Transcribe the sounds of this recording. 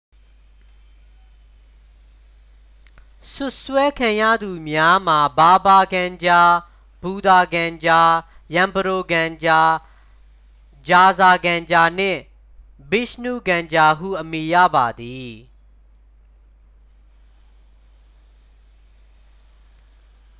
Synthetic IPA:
sʊ˦ʔswɛ˦kʰã˨jä̰˦˨d̪u˨mja˦m̥a˨ba˨ba˨ɡã˨ɲd͡ʑa˨ | b̥u˨d̪a˨ɡã˨ɲd͡ʑa˨ | jã˨mbəɾo˨ɡã˨ɲd͡ʑa˨ | d͡ʑa˨za˨ɡã˨ɲd͡ʑa˨n̥ɪ̰̃˦˨ | bɪ˦snṵ˦˨ɡã˨ɲd͡ʑa˨ɦṵ˦˨ʔəmi˨jä̰˦˨ba˨d̪i˨

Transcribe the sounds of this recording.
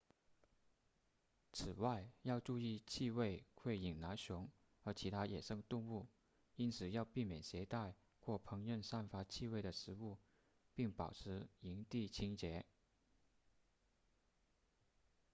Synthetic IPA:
t͡sʰɹ̩˨˩wa˥˧ɪjɑ˥˧ʊʈ͡ʂu˥˧i˥˧t͡ɕʰi˥˧we˥˩ɪkʰwe˥˩ɪi˨˩ŋna˧˥nɕʊ˧˥ŋ | xə˧˥t͡ɕʰi˧˥t̪ʰa˥jɛ˨˩ʂɤ˥˧ŋt̪ʊ˥˧ŋu˥˩ | i˥nt͡sʰɹ̩˨˩jɑ˥˧ʊpi˥˩mjɛ˨˩nɕjɛ˧˥t̪a˥˧ɪ | xwɔ˥˩pʰɤ˧˥ŋɥə˥˧nsa˥˩nfa˧˥t͡ɕʰi˥˧we˥˩ɪd̪ə˩ʂɻ̩˧˥u˥˩ | pi˥˩ŋpɑ˨˩ʊʈ͡ʂʰɻ̩˧˥i˧˥ŋt̪i˥˩t͡ɕʰi˥ŋt͡ɕjɛ˧˥

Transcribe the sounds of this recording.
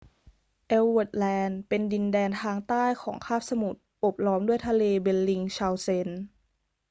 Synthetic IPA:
ʔe˧wwo˨˩t̪̚lɛː˧npe˧ndi˧ndɛː˧nt̪ʰaː˧ŋt̪aː˥˩jkʰɔː˩˦ŋkʰaː˥˩p̚sa˧mu˨˩t̪̚ʔo˨˩p̚lɔː˧mdu˥˩əjt̪ʰa˧leː˧be˧lːi˧ŋt͡ɕʰaː˧wse˧n

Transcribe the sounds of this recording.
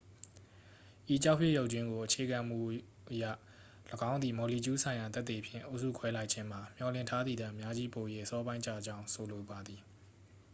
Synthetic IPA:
ʔi˨t͡ɕa˦ʊʔpʰjɪ˦˨jo˦ʊʔt͡ɕwɪ̃˦ŋɡo˨ʔət͡ɕʰe˨ɡã˨m̥ṵ˦˨ʔ | ʔəjä̰˦˨ | ləɡã˦ʊ̃nd̪ðḭ˨mɔ˨li˨t͡ɕu˦sʰã˨ɪ̃ja˨t̪ɛ˦t̪ːe˨pʰjɪ̰̃˦˨ʔo˦ʊʔsṵ˦˨kʰwɛ˦la˦ɪʔt͡ɕʰɪ̃˦m̥a˨m̥jɔ˨lɪ̃˦˨ntʰa˦d̪ði˨d̪ã˨ʔəmja˦d͡ʑi˦po˨je˦ʔəsɔ˦bã˦ɪ̃t͡ɕa̰˦˨d͡ʑã˦ʊ̃sʰo˨lo˨ba˨d̪ði˨

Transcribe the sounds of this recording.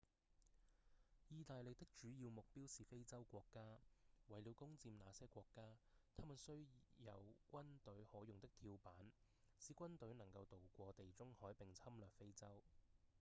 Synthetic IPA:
jiː˨˧t̪aː˨jlɪ˨k̚t̪ɪ˥k̚t͡ʃyː˨˥jiː˧wmʊ˨k̚piː˥wsiː˨fe˥jt͡sɐ˥wkʷɔː˧kːaː˥wɐ˨˩jli˨˧wkʊ˥ŋt͡siː˧mnaː˨˧sɛː˥kʷɔː˧kːaː˥t̪ʰaː˥maː˨˩nsɵ˥ɥjɐ̰˨˧wkʷɐ˥nt̪ɵ˨˥ɥhɔː˨˥jʊ˨ŋt̪ɪ˥k̚t̪ʰiː˧wpaː˨˥nsiː˨˥kʷɐ˥nt̪ɵ˨˥ɥnɐ˨˩ŋkɐ˧wt̪o˨wkʷɔː˧t̪e˨jt͡sʊ˥ŋhɔː˨˥jpɪ˨ŋt͡sʰɐ˥mlœː˨k̚fe˥jt͡sɐ˥w

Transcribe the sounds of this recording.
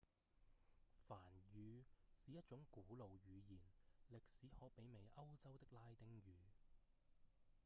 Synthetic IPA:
faː˨˩njyː˨˧siː˨˧jɐ˥t̚t͡ʃʊ˨˥ŋkuː˨˥lo˨wjyː˨˧jiː˨˩nlɪ˨k̚siː˨˥hɔː˨˧k̚pe˨˥jme˨˩jʔɐ˥wt͡sɐ˥wt̪ɪ˥k̚laː˥jt̪ɪ˥ŋjyː˨

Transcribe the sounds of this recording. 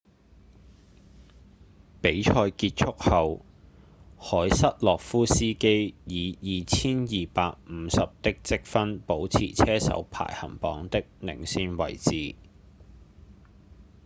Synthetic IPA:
pe˨˥jt͡ʃʰɔː˧jkiː˧t̚t͡sʰʊ˥k̚hɐ˨w | hɔː˨˥jsɐ˥t̚lɔː˨k̚fuː˥siː˥ke˥jjiː˨˧jiː˨t͡sʰiː˥njiː˨paː˧k̚m̩˨˧˦sɐ˨p̚t̪ɪ˥k̚t͡sɪ˥k̚fɐ˥npo˨˥wt͡sʰḭː˨˩t͡sʰɛː˥sɐ̰˨˥wpʰa̰ː˨˩jhɐ̰˨˩mpɔ̰ː˨˥ŋt̪ɪ˥k̚nɪ̰˨˩ŋsiː˧nwɐ̰˨˩jt͡siː˨˩

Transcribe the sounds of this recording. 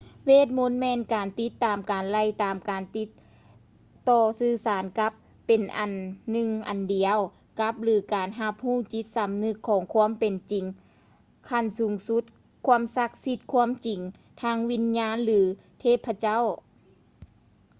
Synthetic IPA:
weː˧˥˩t̪̬̚mo˧˥nmɛː˧˥˨nkaː˨˩nt̪i˧˦˥t̪ːaː˨˩mkaː˨˩nla˧˩jt̪aː˨˩mkaː˨˩nt̪i˧˦t̪ː | ɔː˧˩sɯː˧˩saː˨˦nka˧˦pːe˨nʔa˨˩nːɯ˧ŋʔa̰˨˩ndi˨˩əw | ka˧˦˥p̚lɯː˨˦kaː˨nɦa˧p̚huː˥˩t͡ɕi˧˦t̪̚sa˨˧mnɯ˧kʰːɔː˨˦ŋkʰu˧˥ə˨mpe˨nt͡ɕi˨ŋ | kʰa˧˩nsuː˨˦ŋsu˧˥t̪̚ | kʰu˧˥əmsa˧k̚si˧t̪̚kʰu˧˥əmt͡ɕi˨˩ŋ | t̪ʰaː˧˥ŋwi˧˥nɲaː˧˥˨nlɯː˨˩˦ | t̪ʰeː˥˩pʰːa˧t͡ɕa˥˨w

